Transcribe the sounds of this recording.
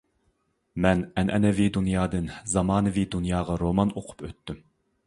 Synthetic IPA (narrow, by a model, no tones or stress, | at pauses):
mɛnɛnʔɛnɛvid̪unjɑːd̪ɨnzɑmɑːnɨvid̪unjɑːʁɑɾomɑnoqʰʊ̥pøt̪ːym